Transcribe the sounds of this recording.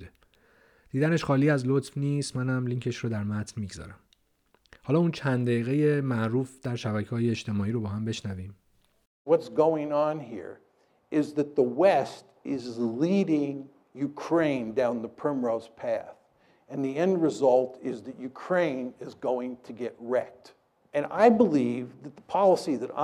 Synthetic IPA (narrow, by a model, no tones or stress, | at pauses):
bud̪e | d̪̥iːd̪æneʃxɒːliːæzlot̪fniːst̪mænhæmliːŋcʰe̞ʃroːd̪æɾmæt̪ʰnmiːɡzɒ̰ːɾæm | hɒːlɒːuːnt͡ʃʰænd̪d̪æiːɣeje̞mæʔɾuːfd̪̥æɾʃæbæcʰeɦɒːjeːt͡ʃt̪ʰe̞mɒːiːɾobɒːɦæmbe̞ʃnæviːm | wʌtsɡ̥oʊɪ̃ŋə̃nɦḭɹ | ɪzðɨt̪̚ðəwɛst | ɪzliɾɪ̃ŋ | jʉkʰɹ̥ẽɪ̃ndãʊ̃nðəpʰɹ̥ɛ̃mɹoʊz̥pʰæθ | ɨ̃nðiɛ̃ndɹɨzʌlˠtʰɪzðɨtjʉkʰɹ̥ẽɪ̃nɪzɡoʊɪ̃ŋtʰɨɡɛt̚ɹɛk̚t | ʔɨ̃na̰ɪbəlivðɨt̪̚ðəpʰɑlˠəsiðɨɾa̰